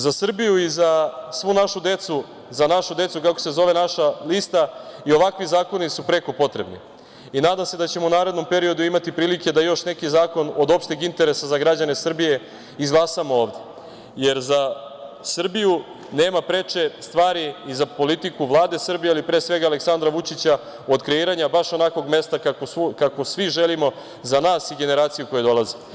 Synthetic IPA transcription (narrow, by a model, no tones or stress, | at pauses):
zasr̩bijuizasʋunaʃud̪e̞t̪su | zanaʃud̪e̞t̪sukako̞̥se̞zo̞ʋe̞naʃalist̪aio̞ʋakʋizaːko̞nisupɾe̞ko̞po̞t̪ɾe̞bnḭ | inaːd̪amse̞d̪at͡ɕemounaːɾed̪no̞mpe̞ɾio̞d̪uimat̪ipɾiːlike̞d̪ajo̞ʃne̞kizaːko̞nod̪o̞pʃt̪iɡint̪e̞ɾesazaɡɾad͡ʑane̞sr̩bije̞ | izɡlˠasamooːʋd̪e̞ | je̞ɾza | sr̩biju | ne̞ːmapɾet͡ʃe̞st̪ʋaːɾiizapo̞lit̪ikuʋlˠaːd̪e̞sr̩bijealipɾeːsʋe̞ɡaleksand̪ɾaʋut͡ʃit͡ɕa | od̪kɾe̞iːɾaɲabaʃo̞nako̞ɡme̞st̪akaokako̞sʋiʒelimo̞ | zanaːsiɡe̞ne̞ɾaːt̪sijuko̞jed̪o̞lˠazi